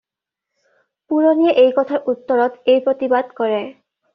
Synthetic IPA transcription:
puɹonieʔejkɔt̪ʰaɹʔut̪ːɔɹɔt̪ejpɹot̪ibad̪kɔɹe

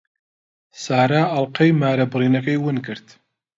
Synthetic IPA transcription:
saːɾaːɐlˠqɐjmaːɾɐbɨɾiːnɐkɐjwɨnkɨɾt̪

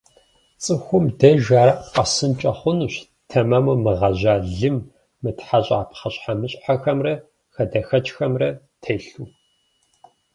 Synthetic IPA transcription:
t͡sʼɨxʷʊmdɐʒaːɾɐqɐsɨnt͡ʃʼɐχʷʊnuːɕ | tʰɐmɐmɐmɨʁɐʑaːɮɨmː | ɨtħaɕʼaːpχɐɕʼħamɨɕʼħaxɐmrɐ | xɐdɐxɐt͡ʃʼxɐmrɐ | tʰeːɬuː

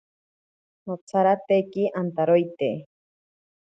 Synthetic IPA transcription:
not͡sʰaɾat̪ekiʔant̪aɾojt̪e

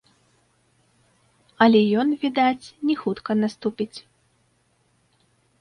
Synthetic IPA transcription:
ɐlʲɛjɔnvʲid̪at͡sʲnʲɛxut̪kɐnast̪upʲit͡sʲ

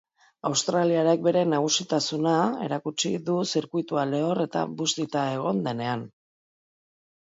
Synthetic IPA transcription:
awst̪ɾaliaɾek̚be̞ɾe̞naɣ̞usit̪asunae̞̰ɾakut͡ʃiðusiɾkujt̪uale̞o̞re̞t̪a̰bust̪it̪ae̞ɣ̞o̞nd̪e̞ne̞an

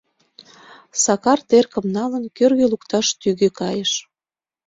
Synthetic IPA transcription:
sɑkɑrt̪erkə̆mnɑlənkørɣelukt̪ɑʃt̪yɣekɑjəʃ

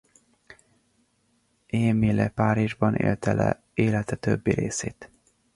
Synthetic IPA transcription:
eːmilɛpaːɾiʒbɒnʔḛːlt̪ɛlɛ | eːlɛt̪ɛt̪øbːiɾeːseːt̪

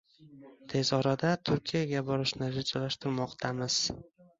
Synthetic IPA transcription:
t̪ʰe̞zɒɾad̪at̪ʰʊɾkʲʰijaɡʲabɒɾɪʃnɪɾɪd͡ʒalaʃt̪ɪɾmɒqt̪ʰamɪz̥

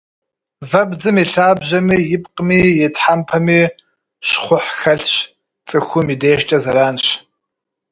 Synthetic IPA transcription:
vɐbd͡zɨmiɬaːbʑɐmiːjɪpʼqʼmiːjɛtʰħampʰɐmiː | ʃχʷʊħxɐɬɕ | t͡sʼɨxʷʊmideːʃt͡ʃʼɐzɐɾaːnɕ

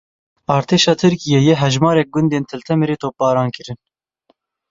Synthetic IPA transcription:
ɑːɾt̪ʰeːʃɑːt̪ʰɨɾkijɛjɛɦɛʒmɑːɾɛk̚ɡʊnd̪eːnt̪ʰɨlt̪ʰɛmeɾeːt̪ʰoːp̚bɑːɾɑːnkʰɨɾɨn

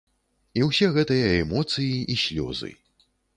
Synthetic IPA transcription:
iwsʲɛɣɛt̪ɨjɐɛmɔt̪sɨjiʔisʲlʲɔ̰zɨ̰

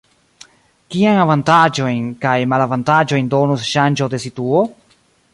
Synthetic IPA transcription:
kiajnavantad͡ʒo̞jnkajmalavantad͡ʒo̞jndo̞nusʃand͡ʒo̞de̞situo

